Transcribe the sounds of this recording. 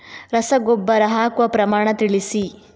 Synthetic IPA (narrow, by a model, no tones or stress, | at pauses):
ɾɐsɐɡobːɐɾɐɦaːkʋɐpɾɐmaːɳɐt̪iɭisi